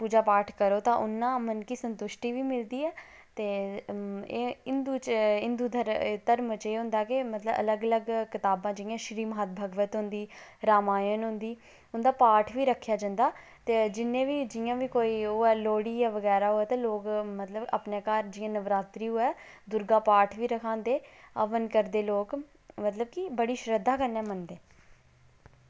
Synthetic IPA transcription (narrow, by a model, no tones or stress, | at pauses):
puːd͡ʒaːpaːʈʰkəɾoːt̪ãːʔʊnːãːmənkiːsənt̪ʊʃʈiːʋiːmɪld̪iːɛː | t̪eː | eːɪnd̪uːt͡ʃɪnd̪uːd̪əɾt̪əɾmət͡ʃeːɦʊ̃nd̪aːkɪmət̪ləbə̰ləɡələɡkɪt̪aːbãːd͡ʒɪjãːʃɾiːmɦaːt̪̚bʱəɡʋət̪ɦʊ̃nd̪iːɾaːmaːjənɦʊ̃nd̪iː | ʊnd̪aːpaːʈʰʋiːɾəkʰːjaːd͡ʒə̃nd̪aː | t̪eːd͡ʒɪnːẽːʋiːd͡ʒɪjãːʋiːkoːiːoːɛːloːɽiːjaːʋəɡɛːɾaːɦoɛːt̪ãːloːkmət̪ləba̰ːpneːkaːɾd͡ʒɪjãːnəʋɾaːt̪ɾiːɦoːɛː | d̪ʊɾɡaːpaːʈʰʋiːɾəkʰãːnd̪eːəʋənkəɾd̪eːloːk | mət̪ləbkibəɽiːʃɾəd̪ːaːkəɾnɛːmənd̪eː